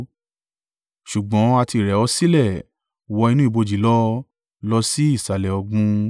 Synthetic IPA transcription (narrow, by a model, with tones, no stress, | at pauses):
ʃu˨ɡ͡bɔ̃˨˦a˧ti˧˨ɾɛ˨˦ɔ˧si˦lɛ˦˨ | wɔ˧i˧nũ˦i˦˨bo˧d͡ʒi˨˦lɔ˦ | lɔ˧si˦i˦˨sa˨lɛ˨ɔ˧ɡũ˧